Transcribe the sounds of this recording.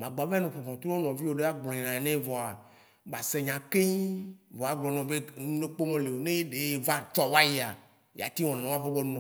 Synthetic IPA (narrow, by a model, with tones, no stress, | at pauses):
mã˨ɡ͡ba˨vɛ˦nẽ˨ɸɔ˨fɔ̃˨t̪ɾo˦o˦nɔ̃˨vi˦wo˨ɖe˦a˦ɡ͡blɔ̃˨ɲĩ˨nã˨e˨nẽ˦vɔ˨a˨ | ba˨se˦ɲã˨ke˦ɲ˦vɔ˨a˨ɡ͡blɔ̃˨nɔ̃˨be˦nũ˦e˦k͡po˦mẽ˦le˨wo˨nẽ˦je˦ɖe˨˦je˦va˦t͡ʃɔ˦wa˦ji˦a˨ | ja̰˨t̪i˦wɔ̃˨ñ˨ã˨˦a˦ɸe˦bɔ˦nɔ̃˨